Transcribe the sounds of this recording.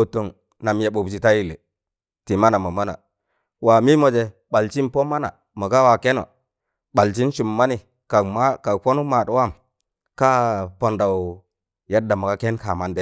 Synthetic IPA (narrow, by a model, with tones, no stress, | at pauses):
o˨tːo˨ŋ | na˨mja˨ɓo˨bt͡ʃi˨ta˦ji˦lḛ˨ | ti˨ma˦na˨mo˨ma˦na̰˨ | wa˨mi˦mo˨d͡ʒe˨ | ɓa˨lt͡ʃi˦npo˦ma˦na̰˨ | ma˨ka˦wa˨ke˦no̰˨ | ɓa˨lt͡ʃi˦nt͡ʃu˨mːa˦ni˨ | ka˨kma˦ka˨fo˦nu˦ma˨twa˦˨m | ka˦po˨nda˨w | ja˦dːa˨ma˨ka˦ke˦nka˨ma˨nde˦